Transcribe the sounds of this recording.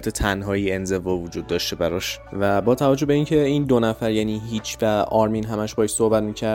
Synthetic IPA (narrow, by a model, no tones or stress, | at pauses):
t̪ʰet̪ʰænɦɒːiːe̞nze̞vɒːvod͡ʒuːd̪̚ːɒːʃt̪e̞bæɾɒʃvæbɒːt̪ʰævæd͡ʒohbe̞iːncʰe̞iːnd̪onæfæɾjæːniːɦiːt͡ʃʰvæɒːɾminɦæmæʃbɒːeʃsohbæt̪miːcʰæɾ